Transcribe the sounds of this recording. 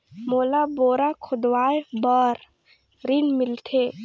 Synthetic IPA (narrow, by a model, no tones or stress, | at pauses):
moːlaboːɾakʰʊd̪waːjbəɾ | ɾinmɪlt̪ʰe